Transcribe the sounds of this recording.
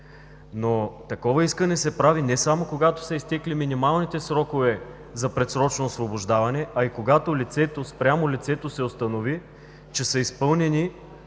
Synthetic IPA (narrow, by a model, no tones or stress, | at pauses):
not̪ɐkɔvɐiskənɛsɛpɾavinɛsamokoɡat̪o̥sɛist̪ɛkliminimalˠnit̪ɛsɾɔkovɛ | zɐpɾɛt̪sɾɔt͡ʃnoːsvoboʒd̪avɐnɛʔɐikoɡat̪olit̪sɛt̪ospɾʲamolit̪sɛt̪osɛost̪ɐnovi | t͡ʃɛsəispɤlˠnɛni